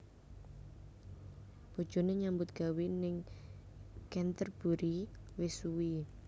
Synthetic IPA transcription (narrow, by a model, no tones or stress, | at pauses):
b̥od̥ʒ̥o̤neɲambʊt̪̚ɡ̥a̤winɪŋ | kɛnt̪ərb̥uɾiwɪsuwi